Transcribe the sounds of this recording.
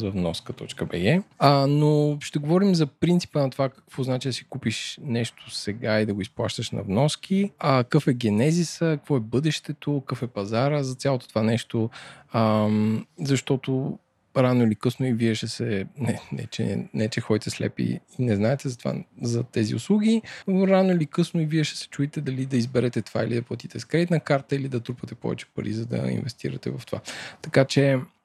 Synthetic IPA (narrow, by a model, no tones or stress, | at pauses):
zɐvnɔskət̪ɔ̰t͡ʃkəbɛɡɛənoʃt̪ɛɡovɔɾimzɐpɾint̪si̥pənɐt̪ovakəkvɔznat͡ʃiəd̪ɐsi̥kupiʃnɛʃt̪ʰo̥sɛɡaid̪ɐɡoisplˠaʃt̪əʃnɐ̰vnɔsk̟ʰiəkəfɛɡʲɛnɛzisəkkvɔɛbɤd̪ɛʃt̪ɛt̪okəfɛpɐzaɾəzɐt̪sʲjalˠot̪ot̪ovanɛʃt̪oəmzɐʃt̪ɔt̪o | ɾanoilikɤsnʊiviɛʃɛsɛnɛnɛ̰t͡ʃɛ̰nɛt͡ʃɛxɔjt̪ɛslɛ̰pḭinɛznaɛt̪ɛzɐt̪ova̰zɐt̪ɛzḭʊ̰slˠuɡʲioɾanʊilikɤsnʊiviɛʃɛ̥sɛ̥t͡ʃuit̪ɛd̪ɐlid̪ɐizbɛɾɛt̪ɛt̪ova̰ilid̪ɐplˠɐt̪it̪ɛskɾɛit̪nɐkaɾt̪əilid̪ɐt̪ɾupət̪ɛpɔ̰vɛ̰t͡ʃɛ̥pɐ̰ɾḭzɐd̪ɐ̰ḭnvɛst̪ḭɾɐt̪ɛ̰vɐft̪ova̰t̪ɐkat͡ʃɛ